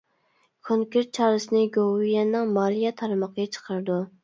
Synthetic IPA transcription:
kʰoŋkʲeɾt̪̚t͡ʃʰɑːɾɨsɨnɨɡowijɛnːɨŋmɑɾijɑt̪ʰɑɾmɑqʰəɡʲɑt͡ʃʰə̥qʰəɾɨd̪u

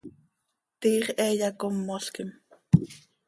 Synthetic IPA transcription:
t̪iːχʔɛːjɑkomːoɬkɪm

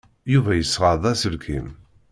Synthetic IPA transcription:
juvæjəsːʁɑðˤɑsəlkʰim

